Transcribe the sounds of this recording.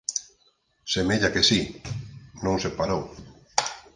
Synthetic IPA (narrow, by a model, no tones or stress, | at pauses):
semeʎakesi | nõŋsepaɾow